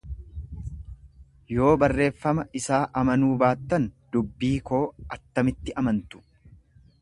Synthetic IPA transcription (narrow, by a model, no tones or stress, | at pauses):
jo̞ːbɐrːe̞ːfːɐmɐʔɪsaːʔɐmɐnuːbaːt̪ːɐnd̪̥ʊbːiːko̞ːʔɐt̪ːɐmɪt̪ːɪʔɐmɐnt̪ʊ̥